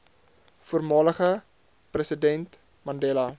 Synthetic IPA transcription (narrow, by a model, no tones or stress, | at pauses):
fuərmɑːləχə | prəsədɛnt | mɐndeːlɐ